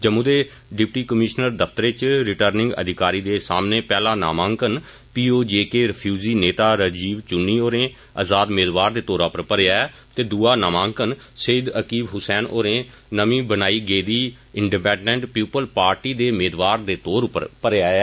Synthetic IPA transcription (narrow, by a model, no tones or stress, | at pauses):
d͡ʒəmũːd̪eː | ɖɪpʈiːkəmɪʃnəɾd̪əpʰt̪əɾeːt͡ʃɾɪʈəɾnɪ̃ŋɡə̰d̪ʱɪkaːɾiːd̪eːsaːmneːpɛːlãːna̰ːmãːŋkən | piːoːd͡ʒeːkeːɾəpʰjuːziːneːt̪aːɾəd͡ʒiːʋt͡ʃʊnːiːoːɾẽː | əzaːd̪meːd̪ʋaːɾd̪eːt̪oːɾãːpəɾpəɾaːɛː | t̪eːd̪uːaːnaːmãːŋkən | səːd̪əkiːbɦʊsɛːnʔoːɾẽː | nəmĩːbənaːiːɡeːd̪iː | ɪɳɖipɛ̃ːɳɖɛ̃ɳʈpjuːpəlpaːɾʈiːd̪eːmeːd̪ʋaːɾd̪eːt̪oːɾʊpːə̰ɾpəɾeaːɛː